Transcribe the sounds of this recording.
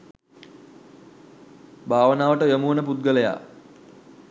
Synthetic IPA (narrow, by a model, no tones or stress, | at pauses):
bʱaːʋənaːʋəʈəjomuːnəp̬ut̪̚ɡələja̰